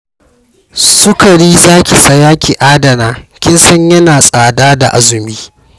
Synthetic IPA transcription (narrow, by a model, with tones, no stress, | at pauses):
sʊ˦kɐ˨ɽiː˦zaː˦kʲi˨sɐ˨jaː˦kʲʰi˨ʔaː˦dɐ˨naː˦kʲɪ˦nsɐ˦ɲjɐ˦naː˨sʼaː˨daː˦da̰˨ʔa˦zʊ˨miː˦